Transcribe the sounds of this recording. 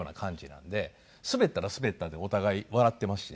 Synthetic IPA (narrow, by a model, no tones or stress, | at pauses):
oːna̰kʰãɲ̟d͡ʑinã̰nd̪e̞ | sɨbe̞t̪ːaɾasɨbe̞t̪ːad̪e̞o̞t̪aɡaiβaɾat̪ːe̞masɨ̥ɕi